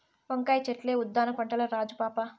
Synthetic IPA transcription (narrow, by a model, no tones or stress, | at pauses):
ʋɐŋkaːjt͡ʃeʈleːud̪ːaːnɐpɐɳʈɐlɐɾaːd͡ʒupaːpa